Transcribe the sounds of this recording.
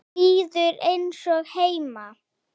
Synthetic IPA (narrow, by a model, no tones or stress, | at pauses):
iːðʏɾejnsɔɣheːjma